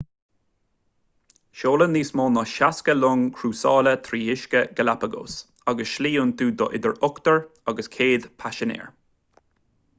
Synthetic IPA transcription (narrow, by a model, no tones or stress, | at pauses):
ʃoːlənliːsmɔːnɔʃaskəlʊŋkʰɾuːsɑːlət̪ʰɾiːɪʃkəɡ̥əlapəɡo̰ːs | ɑɡəsʃliːunt̪ʰuːd̪ɔʔɪd̪əɹʊkt̪əɹɑɡəskʰeːd̪pʰaʃənḛːɹ